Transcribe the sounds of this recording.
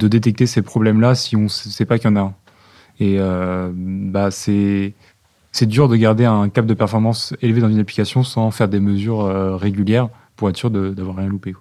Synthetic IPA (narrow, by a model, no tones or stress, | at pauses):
d̪əd̪et̪ɛk̚t̪esepχɔblɛmlasiɔ̃ssɛpakjɑ̃naɛ̃ | eø | basɛ | sɛd̪yʁd̪əɡaʁd̪eɛ̃kap̚d̪əpɛʁfɔʁmɑ̃selved̪ɑ̃zynapli̥kʲasjɔ̃sɑ̃fɛʁd̪eməzyʁøʁeɡʲyljɛʁ | puʁɛt̪syʁd̪əd̪avwaʁːjɛ̃lupekwa